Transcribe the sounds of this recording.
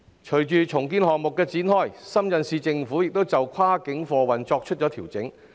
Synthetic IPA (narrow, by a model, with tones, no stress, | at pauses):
t͡ʃʰɵ˨˩ɥt͡ʃyː˨t͡sʰʊ˨˩ŋkiː˥nhɔː˨ŋ̚mʊ˨kːɛː˧t͡siː˨˥nhɔː˥jsɐ˥mjɐ˨˧nsiː˨˧t͡sɪ˧ŋfuː˨˥jɪ˨k̚t̪o˥wt͡sɐ˨wkʷʰwaː˥kɪ˨˥ŋfɔː˨˧wɐ˨˩nt͡sɔː˧k̚t͡ʃʰɵ˥t̚t͡ʃɔː˨˥t̪ʰiː˨˩wt͡sɪ˨˥ŋ